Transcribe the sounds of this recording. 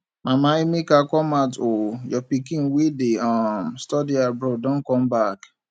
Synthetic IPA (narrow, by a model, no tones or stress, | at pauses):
mamaimikakɔmatojɔpikĩŋ̩wedeamstɔdiabɾɔdɔ̃n̩kɔm̩bak